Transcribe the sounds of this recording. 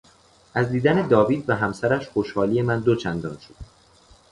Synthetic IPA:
ʔæzd̪iːd̪æne̞d̪ɒːviːd̪væɦæmsæɾæʃχo̞ʃhɒːliːje̞mænd̪ot͡ʃʰænd̪ɒ̰ːnʃo̥d̪̥

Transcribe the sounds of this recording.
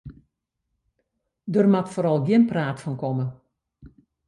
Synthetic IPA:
dərmatfoːɾɑlˠɡiənpraːtfɔnkɔmə

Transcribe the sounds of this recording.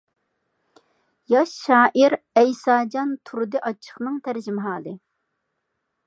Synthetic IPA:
jɑʃːɑːʔiɾ | ɛjsɑːd͡ʒɑnt̪ʰuɾd̪ɨʔɑt͡ʃʰːə̥χnɨŋt̪ʰæɾd͡ʒimɦɑːlˠɨ

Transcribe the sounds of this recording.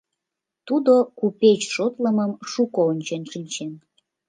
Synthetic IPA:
t̪ud̪okupet͡ɕʃot̪ləməmʃukoonʲt͡ɕenʃinʲt͡ɕen

